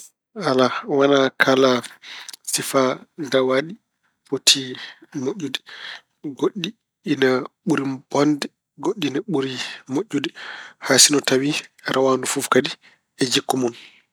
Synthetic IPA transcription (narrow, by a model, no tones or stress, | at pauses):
alawanakʰala | sifadawaɗi | potʰimoʔːudɛ | ɡoɗːiː | naɓuɾib̥ɔndɛ | ɡoɗːinaɓuɾimoʔːudɛhaːsinɔtawiɾʔawandufufkadi | ɛd͡ʒikːumɔn